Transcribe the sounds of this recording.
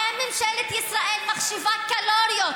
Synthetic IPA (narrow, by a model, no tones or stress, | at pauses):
ɛmːimʃɛlet̪jisʁaʔelmaχʃivat̪̚kaloɾijot̪